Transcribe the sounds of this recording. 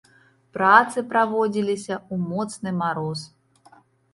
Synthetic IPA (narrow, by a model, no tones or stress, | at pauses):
pɾat̪sɨpɾavɔd͡zʲilʲisʲɐumɔt̪snɨmaɾɔs